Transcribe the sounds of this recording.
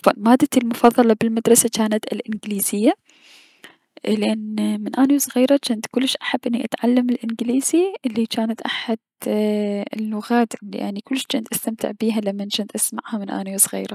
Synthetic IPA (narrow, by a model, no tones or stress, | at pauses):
famaːd̪ːat̪ilmʊfɑðˤːɑlɑbɪlmad̪ɾˤɑsat͡ʃaːnat̪ɪlʔɪnɡɪliːzɪjːa | lɪʔanmɪnʔaːniwsˤɣiːɾˤɑt͡ʃɪnt̪kʊlːʃʔaħabːʔɪnːiʔat̪ʕalːamɪlʔɪnɡliːziʔɪlːit͡ʃaːnat̪ʔaħad̪ | ɪlːʊɣaːt̪lḭʔa̰nːikʊlːʃt͡ʃɪnt̪ʔast̪amt̪ɪ̰ʕbiːɦalamːant͡ʃɪnt̪ʔasma̰ʕhamɪnʔa̰ːniwsˤɣḭːɾˤɑ